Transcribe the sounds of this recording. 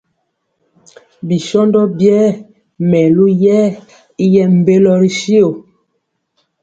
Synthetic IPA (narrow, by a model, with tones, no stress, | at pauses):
bi˨ʃɔ˦ndɔ˦bjɛ˦ | mɛ˨lu˦jɛ˦ | i˦jɛ˦m̩˨be˦lɔ˦ɾi˦ʃi˦o˨